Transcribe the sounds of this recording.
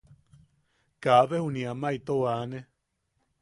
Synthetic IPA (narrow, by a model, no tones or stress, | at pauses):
kaβehuniamait̪oane